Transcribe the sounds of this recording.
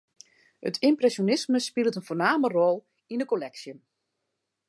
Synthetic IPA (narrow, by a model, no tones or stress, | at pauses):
hə̰tʰɪmprɛsjonɪsməspɪlˠtənfoːnaːmərɔlˠ | indəkolɛksjəm